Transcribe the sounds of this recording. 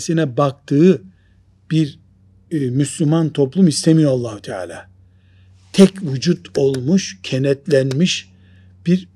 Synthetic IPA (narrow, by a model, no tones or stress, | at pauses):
sinɛbakt̪ʰɯː | b̥iɾ | myslʲumant̪ʰo̞plˠumist̪ʰemijoalˠːaːhut̪ʰɛa̰ːlʲa̰ː | t̪ʰɛcvud͡ʒut̪o̞lˠmuʃcʰenɛt̪lʲænmiʃ | b̥iɾ